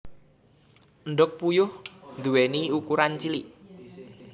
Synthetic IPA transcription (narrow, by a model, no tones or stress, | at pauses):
ənɖʊk̚pujʊhnd̪uweniukuɾant͡ʃiliʔ